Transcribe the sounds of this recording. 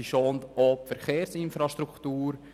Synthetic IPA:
iʃoːnd̪opfɛɾχeːɾsɪnfɾɑʃt̪ɾukt̪uːɾ

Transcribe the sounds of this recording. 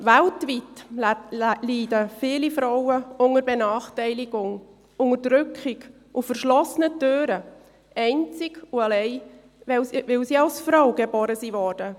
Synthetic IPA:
ʋæltʋit | liːdəfiːlifɾɔwəʊŋəɾbenɑːχtɛɪliɡʊŋ | ʊŋədɾʏkχɪɡ | ʔufərʃlɔsənətøːɾə | ɛɪnt͡sɪɡ̥uɑlɛɪ | ɛʋɪlsiːɑlsfɾɔwɡebɔːɾəsiːʋɔːɾd̥ə

